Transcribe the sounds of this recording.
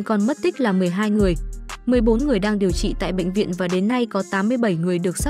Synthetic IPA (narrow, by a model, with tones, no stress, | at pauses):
kɔ˨˩nm˦˥t̚t̪ï˦˥k̟̚laː˨˩mɨ˨˩əjɦaː˧jŋɨ˨˩əjmɨ˨˩əjɓo˨˦nŋɨ˨˩əjɗaː˧ŋɗi˨˩əwt͡ɕḭ˧˨t̪a̰ː˧˨jɓə̰˧˨ŋ̟vḭ˧˨ənvaː˨˩ɗe˨˦nːa˧jkɔ˨˦t̪aː˨˦mːɨ˧əjɓə˧˩jŋɨ˨˩əjɗɨ˨˩ək̚sa˦˥